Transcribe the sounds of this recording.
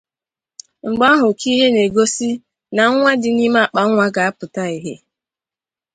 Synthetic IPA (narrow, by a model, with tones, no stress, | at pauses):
ŋ͡m̩˨ɡ͡ba˦ɦʊ˨ki˦ɦe˦ne˨ɡo˦si˦ | na˨˦ŋʷa˦dɪ˦ni˦m˦a˦˨k͡pa˨˦ŋʷa˦ɡa˨a˦pʊ˨ta˦i˦ɦe˦